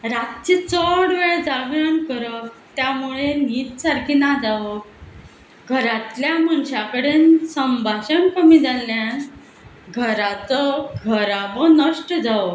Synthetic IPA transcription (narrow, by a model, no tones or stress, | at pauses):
ɾat̪t͡ɕit͡səɽʋeɭd͡zaʋjənkəɾət̪jamuɭeniːt̪saɾkʰiːnad͡zaʋə | ɡʱəɾat̪ljamənɕakəɽeːnsəmbʱaɕənkəmid͡zalːjan | ɡʱəɾat͡səɡʱəɾaʋənəʂʈəd͡zaʋ